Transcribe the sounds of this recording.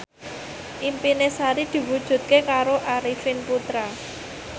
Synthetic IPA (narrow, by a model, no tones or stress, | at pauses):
ʔimpinesaɾid̪̥i̤wud̥ʒ̥ṳt̪̚kekaɾoʔaɾifɪnput̪ɾa